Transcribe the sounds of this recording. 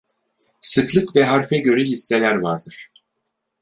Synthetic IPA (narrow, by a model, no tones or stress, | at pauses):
sɯklˠɯkvɛɦaɾfɛɟø̞ɾɛlisːelʲæɾvaɾd̪ɯɾ̥